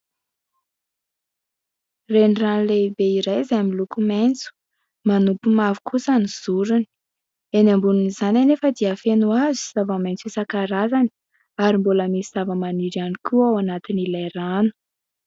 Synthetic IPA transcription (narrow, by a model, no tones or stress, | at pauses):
reniranleibeiɾajzamilukumant͡su̥ | manupumavu̥kʰusaniz̥uɾuni̥ | enambununizananefəd̪iafenuaziz̥avəmajnt͡sisakaɾazani̥ | aɾimboləmisiz̥avəmaniɾianikʰuawanat̪inilajranu̥